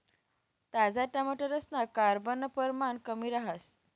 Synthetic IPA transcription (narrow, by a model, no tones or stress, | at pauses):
t̪ad͡zaʈ̪jaməʈəɾəsnakaɾbənəpəɾmankəmiːɾaɦəs